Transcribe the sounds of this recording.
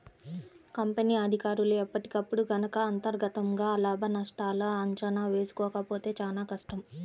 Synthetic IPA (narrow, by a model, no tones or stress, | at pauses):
kɐmpeniːɐd̪ʱikaːɾuluɛpːɐʈi̥kɐpːuɽuɡɐnɐkɐːnt̪ɐɾɡɐt̪ɐmɡaːlaːbʱɐnɐʂʈaːlɐɐɲt͡ʃɐnaːʋe̞ːsu̥kɔːkɐpo̞ːt̪e̞ːt͡ʃaːlaːkɐʂʈɐm